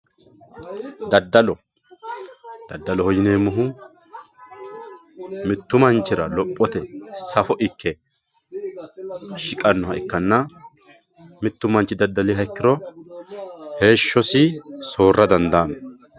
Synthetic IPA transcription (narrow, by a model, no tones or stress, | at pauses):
d̪ɐd̪ːɐlɔ | d̪̥ɐd̪ːɐlɔhɔjɪne̞ːmːʊɦu | mɪt̪ːʊmɐnt͡ʃɪɾɐlɔpʼːɔt̪ɛsɐfɔʔɪkːɛ | ʃɪkʼɐnːɔhɐɪkːɐnːɐ | mɪt̪ːʊmɐnt͡ʃɪd̪ɐd̪ːɐliɦɐkːɪɾɔ | he̞ːʃːɔsɪso̞ːrːɐd̪ɐnd̪aːmɛ